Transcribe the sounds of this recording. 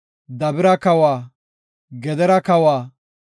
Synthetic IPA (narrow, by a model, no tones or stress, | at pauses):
d̪ɐbɪɾɐkɐwaː | ɡɛd̪ɛɾɐkɐwaː